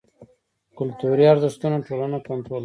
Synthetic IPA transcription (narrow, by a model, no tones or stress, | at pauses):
kʊlt̪uɾjɑɾd̪əʂt̪unoʈolanakant̪ɾol